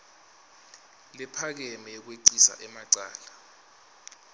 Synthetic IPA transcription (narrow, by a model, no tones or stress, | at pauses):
lɛpʰak̬ɛmɛɔk̬weǀisa̰ʔɛmaǀa̰ːla